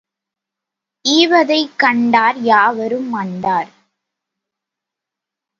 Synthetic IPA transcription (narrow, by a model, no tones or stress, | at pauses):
ʔiːʋɐðɐɪkːɐɳɖaːɾjaːʋɐɾɯmːɐɳɖaːɾ